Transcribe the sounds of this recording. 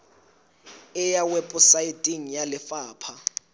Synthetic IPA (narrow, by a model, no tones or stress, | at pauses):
ɛjawɛpʼusajidʼiŋ̩jalɪfaːpʰa